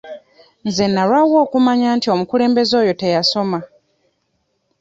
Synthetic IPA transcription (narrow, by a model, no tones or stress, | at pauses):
nze̞nːalwawo̞ːkumaɲaːntio̞mukule̞ːmbe̞zo̞ːjo̞te̞jaso̞ma